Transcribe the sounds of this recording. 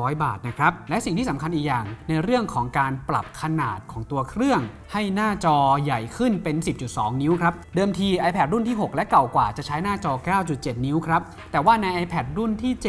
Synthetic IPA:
ɔː˦˥jba̰ː˨˩t̪̚na˦˥kʰɾa˦˥p̚lɛ˦˥ʔsi˨˩ŋt̪ʰiː˥˩sa˩˦mkʰa˧nʔiː˨˩jaː˨˩ŋna˧jɾɯ˥˩əŋkʰɔː˩˦ŋkaː˧npla̰˨˩p̚kʰa˧naː˨˩t̪̚kʰɔː˩˦ŋt̪u˧ɐkʰɾɯ˥˩əŋ | ha˥˩jnaː˥˩t͡ɕɔː˧ja˨˩jkʰɯ˥˩npe˧nsi˨˩p̚t͡ɕu˨˩t̪̚sɔː˩˦ŋni˦˥wkʰɾa˦˥p̚dɤː˧mt̪ʰiː˧ʔa˧jpʰɛː˨˩t̪̚ɾu˥˩nt̪ʰiː˥˩ɦo˨˩k̚lɛ˦˥ʔka˨˩wkwaː˨˩t͡ɕa˨˩t͡ɕʰa˦˥jnaː˥˩t͡ɕɔː˧kaː˥˩wt͡ɕu˨˩t̪̚t͡ɕe˨˩t̪̚ni˦˥wkʰɾa˦˥p̚ | t̪ɛː˨˩waː˥˩na˧jʔaː˧jpʰɛː˨˩t̪̚ɾu˥˩nt̪ʰiː˥˩t͡ɕ

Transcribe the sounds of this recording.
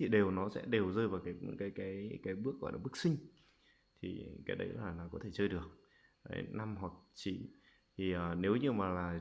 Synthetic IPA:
i˨˩ɗe˨˩wnɔ˨˦sɛ̰˧˥ɗe˨˩wzəː˧jvaː˨˩wkaː˨˦jɨ̰˧˥ŋkaː˨˦jkaː˨˦jkaː˨˦jɓɨ˦˥ək̚ːɔ̰˧˩jlaː˨˩ɓɨ˦˥k̚sï˧ŋ̟ | t̪ʰi˨˩kaː˨˦jɗə˨˦jllaː˨˩naː˨˩kɔ˨˦t̪ʰe˧˩t͡ɕəː˧jɗɨ˨˩ək̚ | ka̰ː˨˦jna˧mɦwa˨˩k̚t͡ɕḭ˧˨ | t̪ʰi˨˩ʔəː˨˩ne˨˦wɲɨ˧maː˨˩laː˨˩

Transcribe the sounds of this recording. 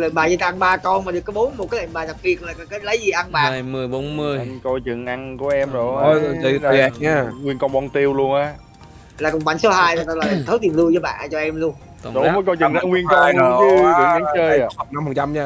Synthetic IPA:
lḛ˧˨˩nɓaː˨˩zə˧˩t̪ːʔnɓaː˧kɔ˧nmaː˨˩ɗɨ˨˩əkːɔ˨˦jɓo˨˦nm˨˩t̚kaː˨˦lḛ˧˩nɓaː˨˩za˨˩t̚ɓi˨˩ət̚laː˨˩kːkaː˨˦lə˨˦jzi˨˩ʔa˧nɓa̰ː˨˩mɨ˨˩əjɓo˨˦nmɨ˧əjko˧jt͡ɕɨ˨˩ŋʔa˧nku˧˩əʔɛ˧mzo˨˩jɲa˧ŋwi˧ənkɔ˧nɓɔ˧nt̪i˧əwlu˧ənʔaː˨˦ | laː˨˩kʊ̰˨˩ŋ͡m̚ɓa̰˧˩ŋso˨˦haː˧ja˨˩˧la˨˩˨t̪ʰə˨˦jt̪i˨˩əmlu˧jzɔː˨˦ɓa̰ː˧˨ʔt͡ɕɔ˧ʔɛ˧mlu˧ən | ɗo˨˦vəː˨˦jko˧jt͡ɕɨ˨˩ŋza̰ː˧ŋwi˧ənkɔ˧n˧˨˦ɨ˨˦ɨ̰˨˩ɗa˨˦ŋt͡ɕəː˧ja˨˩n˧mhə˨˩ŋt͡ɕa˧mɲaː˧

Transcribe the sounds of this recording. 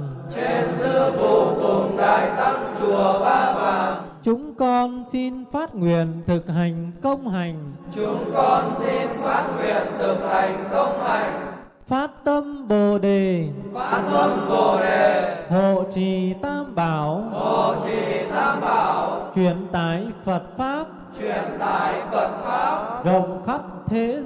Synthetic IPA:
t͡ɕe˧nsɨ˧vu˧˩kʊ˨˩ŋ͡mt̪a̰ː˧˨˩jt̪a˧ŋt͡ɕu˨˩əɓaː˧maː˨˩t͡ɕʊ˨˦ŋ͡mkɔ˧nsi˧nfaː˦˥t̚ŋwḭ˨˧˨ənt̪ʰɨ˨˩k̚ɦa˨˩jŋ̟kə˧wŋ͡mɦa˨˩jŋ̟t͡ɕʊ˨˦ŋ͡mkɔ˧nsi˧nfaː˦˥t̚ŋwi˨˧˨ənt̪ʰɨ˨˩k̚ha˨˩jŋ̟kə˧wŋ͡mha˨˩jŋ̟ | faː˦˥t̚t̪ə˧mɓo˨˩ɗe˨˩˦ | t̪ə˧mɓo˧˨˩ɗe˨˩ho˧˨t͡ɕi˨˩t̪ʰaː˧mɓaː˧˩wo˧˨t͡ɕi˨t̪ʰaː˧mɓaː˧˩˦wt͡ɕwi˧˨ənt̪aː˧˩˨jfə˨˩t̚faː˦˥p̚t͡ɕwi˨˧˨ənt̪aː˧˩jfə˨˩t̚faː˦˥p̚zə˧˨wŋ͡mxa˦˥p̚t̪ʰe˨˦

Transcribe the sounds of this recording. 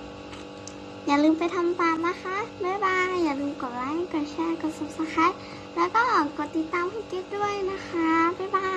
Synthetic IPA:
jaː˨˩lɯː˧˨mpa˨jt̪ʰa˧˨mt̪aː˨mna˦˧˥xʰa˧˥bɛ˧˥˨waː˧jaː˨˩ŋ̚lɯː˧˨mkɔː˨˩laː˧˥˦jkɔː˧˩t͡ɕʰɛ˧˨kɔ˧˩sɔ˧˩p̚sa˧kʰaː˧˥˨j | lɛː˧˥wkɔː˧˥˩kɔː˧˩t̪i˧˩t̪ːaː˧˨mpʰuː˧˥˩ke˧˥t̪̚du˥˩əjna˦˧˥xʰa˦˥ba˧˥˨baː˧

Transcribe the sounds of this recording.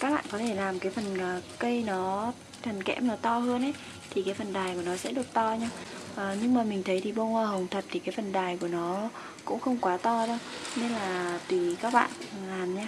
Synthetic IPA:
kaː˦˥k̚ɓa̰ː˧˨nkɔ˨˦t̪ʰe˧˩laː˨˩mkaː˨˦jfə˨˩nː˨˩kə˧jnɔ˨˦ | t̪ʰə˨˩nkɛ̰˧˥mnɔ˨˦t̪ɔ˧həː˧nʔə˨˦j | t̪ʰi˨˩kaː˨˦fə˨˩nɗaː˨˩jku˧˩ənɔ˨˦sɛ̰˧˥ɗɨ˨˩ək̚t̪ɔ˧ɲaː˧ʔəː˨˩ɲɨ˧ŋmaː˨˩mï˨˩ŋ̟t̪ʰə˨˦jt̪ʰi˨˩ɓo˧ŋəː˧˩hə˨˩wŋ͡mt̪ʰə˨˩t̚t̪ʰi˨˩kaː˨˦jfə˨˩nɗaː˨˩jku˧˩ənɔ˨˦ | kʊ̰˧˥ŋ͡mxə˧wŋ͡mkwaː˨˦t̪ɔ˧ɗə˧wne˧nlaː˨˩t̪i˨˩kaː˦˥k̚ɓa̰ː˧˨n˧laː˨˩nɲaː˧

